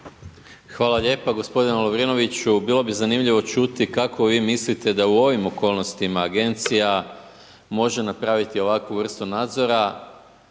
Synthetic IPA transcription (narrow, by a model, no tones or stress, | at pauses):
xʋaːlˠaʎe̞ːpaɡo̞spo̞d̪ineloʋɾino̞ʋit͡ɕubilˠo̞bizanimʎiʋo̞t͡ʃut̪ikakʰo̞ʋiːmislit̪e̞d̪auo̞ʋimo̞ko̞ːlˠno̞st̪imaːɡe̞nt̪sija | mo̞ʒe̞napɾaːʋit̪io̞ʋakʋuʋr̩st̪unaːd̪zo̞ɾa